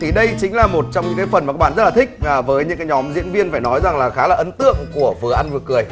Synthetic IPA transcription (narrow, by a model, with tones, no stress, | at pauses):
t̪ʰi˨˩ɗə˧jt͡ɕï˨˦ŋ̟laː˨˩mo˨˩t̚t͡ɕɔ˧wŋ͡mɲɨ̰˧˥kaː˨˦jfə˨˩naː˨˩kːa˦˥ɓa̰ː˧˨zə˦˥tlaː˨˩t̪ʰk̟̚ːvəː˨˦jɲɨ̰˧˥ŋkaː˨˦jɲɔ˨˦mzḭ˧˥ənvi˧ənfaː˧˩jnɔ˨˦jza˨˩ŋlaː˨˩xaː˨˦laː˨˩ʔə˨˦nt̪ɨ̰˧˨əŋku˧˩əvɨ˨˩əʔa˧nvɨ˨˩kɨ˨˩əj